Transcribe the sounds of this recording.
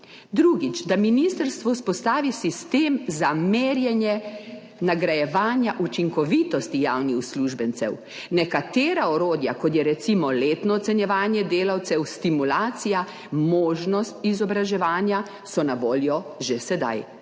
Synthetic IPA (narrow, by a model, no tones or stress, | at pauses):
d̪ɾuːɡit͡ʃd̪aminist̪əɾst̪ʋɔuspɔst̪aːʋisist̪eːmzameːɾjɛnjɛ | naɡɾajɛʋaːnjaʔut͡ʃiŋkɔʋiːt̪ɔst̪ijaːwnixsluʒbɛnt̪sɛ̰w | nɛkat̪eːɾaɔɾoːd̪ja̰kɔt̪jɛɾɛt̪simɔleːt̪nɔːt̪sɛnjɛʋaːnjɛd̪eːlawt̪sɛwst̪imulaːt̪sija | moːʒnɔst̪izɔbɾaʒɛʋaːnja | sɔnaʋoːljɔʒesɛd̪a̰j